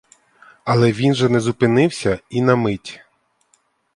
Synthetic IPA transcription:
ɐlˠɛʋʲinʒɛnɛzʊpɪnɪwsʲɐinɐmɪtʲ

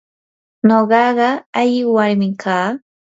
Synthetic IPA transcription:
noɢɑɢɑaʎɪwaɾmɪkʰaː

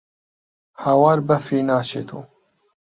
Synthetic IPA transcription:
hawaːɾbɐfiːnaːʃḛːt̪ʰṵː

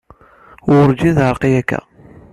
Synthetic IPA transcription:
ʊɾd͡ʒiðəɾqijækːæ̰

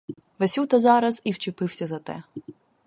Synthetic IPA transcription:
ʋesʲiwt̪ɐzɑɾɐz̥iwt͡ʃɪpɪwsʲɐzɐt̪ɛ̰

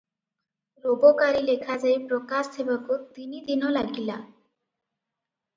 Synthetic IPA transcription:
ɾobɔkaɾilekʰad͡zaepɾɔkast̪ʰebakut̪inid̪inɔlaɡila

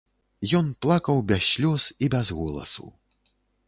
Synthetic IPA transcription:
jɔnplˠakɐwbʲaɕlʲɔsibʲɛzɣɔlˠɐ̰sṵ

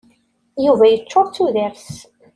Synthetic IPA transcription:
juvæjət͡ʃːoˤt͡sːuðəɾs

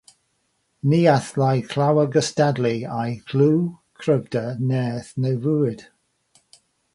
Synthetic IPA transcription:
niːaθlajkʰl̥awəɡəstadliajɡʰluːkʰrəvdənɛːθnevuːɨd̥

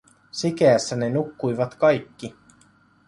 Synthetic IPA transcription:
sikeæsːæne̞nukːujʋɑt̪kɑjkːi

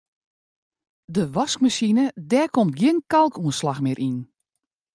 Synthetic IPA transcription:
dəʋɔskmasinədɛːkomtɡjɪənkalˠkʰuənslaxmɪɾʔin

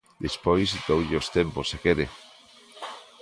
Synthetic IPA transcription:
d̪espojsit̪owʎeost̪emposekeðḛ

